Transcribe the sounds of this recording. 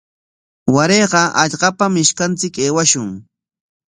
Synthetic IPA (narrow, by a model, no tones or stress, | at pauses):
waɾejɢɑʔɑʎɢɑpamɪʃkant͡sɪkeːwaʃʊŋ